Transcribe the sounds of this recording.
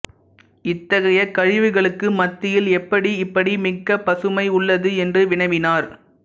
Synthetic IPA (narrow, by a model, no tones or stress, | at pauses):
ɪt̪ːɐɣɐjɐkɐɻɪʋɯɣɐɭɯkːɯmɐt̪ːɪjɪlɛpːɐɽiɪpːɐɽimɪkːɐpɐsɯmɐɪʊɭːɐðɯɛndrɯʋɪɳɐɪʋɪnaːɾ